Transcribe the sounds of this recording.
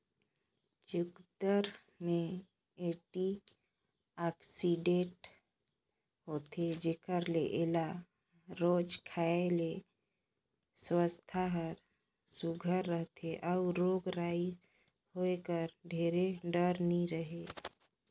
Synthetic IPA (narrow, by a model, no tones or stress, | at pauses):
t͡ʃʊkd̪əɾ | mẽ | eʈi | aksiɖẽʈ | ɦoːt̪ed͡ʒekəɾlḛʔela | ɾoːd͡ʒkʰaːele | swəst̪ʰaɦəɾ | suɡʱəɾːəɦt̪ʰeʔɔʊɾoːɡɾaːi | hoekəɾɖʱeːɾeɖəɾniɾəɦe